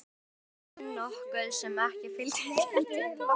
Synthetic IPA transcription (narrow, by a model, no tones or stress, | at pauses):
nɔhkœðsɛmɛhcɪfɪlt̪ɪ